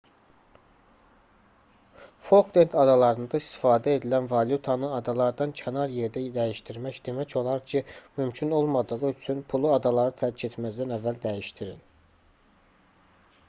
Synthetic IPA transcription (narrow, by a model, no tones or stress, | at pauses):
fo̞lkd̪ent̪ʰɑd̪ɑlˠɑɾɯnd̪ɑist̪i̥fɑːd̪æe̞d̪ilænvɑljut̪ʰɑnɯɑd̪ɑlˠɑɾd̪ɑncʰenɑɾje̞ɾd̪æd̪æjiʃt̪iɾmæcd̪e̞mæco̞lˠɑɾcʰimymcʰyno̞lˠmɑd̪ɯʁɯyt͡ʃʰynpʰulˠuɑd̪ɑlˠɑɾɯt̪ʰælicʰe̞t̪ʰmæzd̪ænævːæld̪æjiʃt̪iɾin